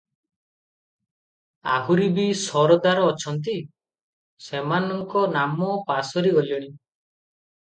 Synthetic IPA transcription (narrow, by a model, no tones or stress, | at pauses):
a̰ɦuɾibisɔɾɔd̪aɾɔːt͡ʃʰɔnt̪̬i | semanɔŋkɔnamɔpasɔɾiɡɔljɔɽ̃i